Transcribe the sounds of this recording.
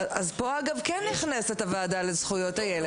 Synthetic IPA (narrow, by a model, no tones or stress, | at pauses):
azpo̞aɡavkenːiχnesetavaːdalezχujo̞tajele